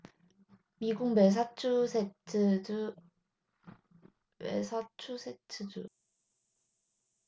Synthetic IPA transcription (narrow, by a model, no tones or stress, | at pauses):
miɡuŋmes̬ʰat͡ɕʰusʰetʰɯ | mḛsʰat͡ɕʰusʰetʰɯd͡ʑu